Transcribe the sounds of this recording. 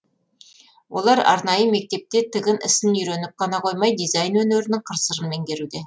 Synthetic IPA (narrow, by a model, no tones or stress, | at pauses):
wʔo̞̰lˠɑɾɑ̰ɾnɑjəme̞k̚t̪e̞p̚t̪e̞t̪ʰɪɡʲɪnʔɪ̰sɪnʏjɾenɪp̚qʰɑnɑqʰo̞jmɑjd̪ijzajnwɵneɾɪnɪŋqʰəɾsəɾənme̞ŋkʲe̞ɾud̪e̞